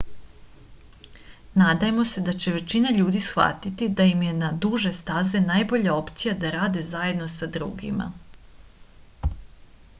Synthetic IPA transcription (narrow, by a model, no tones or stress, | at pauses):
naːd̪ajemo̞se̞d̪at͡ɕe̞ʋe̞t͡ɕinaʎuːd̪isxʋa̰t̪it̪id̪ajimje̞nad̪uʒe̞st̪azenaːjbo̞ʎao̞pt̪sijad̪aɾaːd̪ezaje̞d̪no̞sad̪ɾṵːɡḭma̰